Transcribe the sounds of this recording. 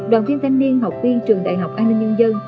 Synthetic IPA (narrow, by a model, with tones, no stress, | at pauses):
ɗwaː˨˩nvi˧nt̪ʰa˧ŋ̟ni˧ənɦa˨˩wk͡p̚vi˧t͡ɕɨ˨˩əŋɗa̰ː˨˩jɦa˨˩wk͡pʔaː˧nːï˧ŋ̟ɲə˧nzə˧n